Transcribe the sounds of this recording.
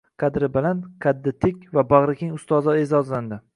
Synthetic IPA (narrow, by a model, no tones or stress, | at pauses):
qʰɑd̪ɾɪbɪlanqʰad̪ːɪt̪ʰɪkʲvabaʁɾɪkʲɪŋʊst̪ɒzɑezɒzland̪ɪ